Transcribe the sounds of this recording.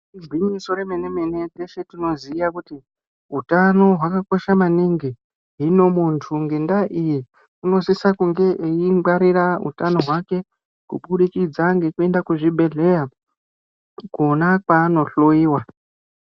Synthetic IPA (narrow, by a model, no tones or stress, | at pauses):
id͡zwimiso̞ɾe̞me̞nemene̞tese̞tino̞zijakuti | ɦutano̞ɦwakako̞ʃamaniŋɡi | ɦino̞muntʰuŋɡe̞ndaʔiji | uno̞sisakuŋɡe̞ʔeiŋɡaɾiɾaṵtano̞ɦwake̞ | kṵɓuɗikid͡zaŋɡe̞kue̞ndakuʐibʱe̞ɮe̞ja | kunakwaːno̞ɬoiːwa